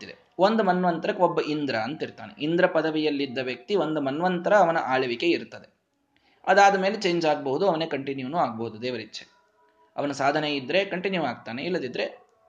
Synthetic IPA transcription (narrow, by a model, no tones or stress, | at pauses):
id̪ḛ | ond̪umɐnːʋɐnt̪ɐɾɐkɔbːɐʔind̪ɾɐːnt̪iɾt̪a̰ːnḛʔind̪ɾɐpɐd̪ɐʋijɐlːid̪ːɐʋjɐk̚t̪iʋo̞nd̪umɐnʋɐnt̪ɐɾɐːʋɐnɐʔaːɭɐʋike̞iɾt̪ːɐd̪e̞ | ɐd̪aːd̪ɐme̞ːlet͡ʃe̞ːɲd͡ʒaːɡɐbɐɦud̪uɐʋɐneːkɐɳʈinjuːnuːaːɡɐbɐɦud̪ud̪ɛːʋɐɾitːt͡ʃːe | ɐʋɐnɐsaːd̪ʱɐneid̪ːɾe̞kɐɳʈinjuaːɡ̚t̪aːneilːɐd̪id̪ːɾe